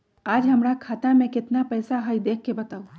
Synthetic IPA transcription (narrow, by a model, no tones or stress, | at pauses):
aːd͡ʒɦɐmɾakʰaːt̪amẽkɪt̪napɛːsaɦəid̪eːkʰːebɐt̪aːu